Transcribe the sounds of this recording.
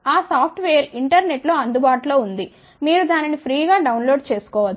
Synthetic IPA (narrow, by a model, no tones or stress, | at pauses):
aːsaːpʰʈʋeːjɐɾiɳʈɐɾne̞ʈlo̞ːɐnd̪ubaːʈulo̞ːund̪i | miːɾud̪aːninipʰɾiːɡaːɖɐwnlo̞ːɖt͡ʃe̞ːsu̥kɔːʋɐ